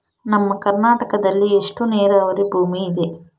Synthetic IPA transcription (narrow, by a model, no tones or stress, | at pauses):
nɐmːɐkɐɾnaːʈɐkɐd̪ɐlːieʂʈuneːɾɐɐʋɐɾibʱuːmiːd̪e̞